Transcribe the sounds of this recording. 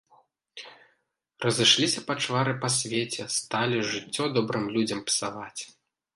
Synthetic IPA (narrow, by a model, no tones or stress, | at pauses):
rɐzɨʂlʲisʲɐpat͡ʂvaɾɨpasʲvʲet͡sʲɛst̪alʲiʐɨt͡sʲːɔd̪ɔbɾɨmlʲud͡zʲɐmpsavat͡sʲ